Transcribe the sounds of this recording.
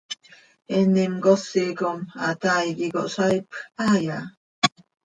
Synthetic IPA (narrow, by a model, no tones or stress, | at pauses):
enimɡoseɡomat̪ajɡiɡoʔsajpaja